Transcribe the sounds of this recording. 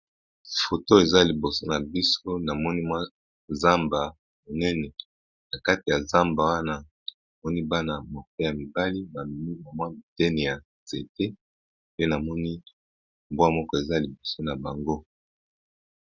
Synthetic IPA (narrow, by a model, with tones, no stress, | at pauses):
fo˨to˦e˨za˦li˨bo˨so˦na˨bi˦so˦na˨mɔ˦ni˦mwa˦ | za˦mba˨ | mo˨nɛ˦nɛ˨ | na˨ka˦ti˨ja˨za˦mba˨wa˦na˦ | a˨mɔ˦ni˦ba˦na˨mo˨ke˦ja˨mi˨ba˦li˦ba˨mi˦ma˨mwa˦mi˨tɛ˦nɛ˨ja˨ | z̥e˨te˦ | pe˦na˨mɔ˦ni˦ | mbwa˦mɔ˦kɔ˦e˨za˦li˨bo˨so˦na˨ba˨ŋɡo˦